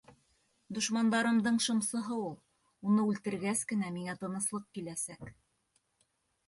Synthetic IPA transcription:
d̪ŏʃmɑnd̪ɑɾɤ̆md̪ɤɴʃɤ̆msɤ̆ɦɤulˠ | unɤʉlt̪ɘ̆ɾɡæskɘ̆næmiŋæt̪ɤ̆nɤ̆slˠɤq̚kilæsæk

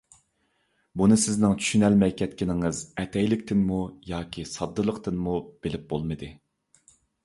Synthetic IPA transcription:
bunɨsɪznɪŋt͡ʃʰy̥ʃynɛlmɛjkʲʰɛt̪̚kʲɪnɪŋɨzɛt̪ʰɛjlɪkʲt̪ʰɪnmujɑːkʲʰisɑd̪ːɨlˠəqt̪ɨnmub̥elɪp̚bolˠmɨd̪ɨ

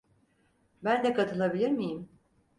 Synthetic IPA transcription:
bænd̪ɛkat̪ʰɯlˠabilʲiɾmijim

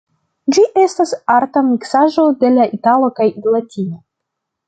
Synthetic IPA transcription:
d͡ʒiʔe̞stasaɾtamiksaʒo̞de̞laʔitalo̞kajiɡlatʰio

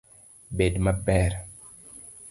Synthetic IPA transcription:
bedmabɛɾ

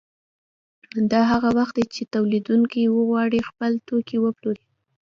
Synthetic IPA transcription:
d̪ɑɦaɣawaxt̪̚d̪et͡ʃet̪awlid̪uŋkiwəɣwɑɽixpəlt̪okiwəploɾi

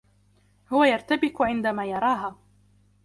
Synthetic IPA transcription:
hʊwajɑɾˤt̪abɪqʊʕɪnd̪amaːjɑɾˤɑːɦaː

